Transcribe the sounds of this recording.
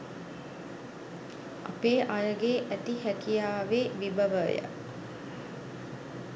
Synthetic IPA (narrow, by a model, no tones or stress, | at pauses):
a̰peːʔajəɡeʔæt̪ihækijaːʋeːʋibəʋəjə̰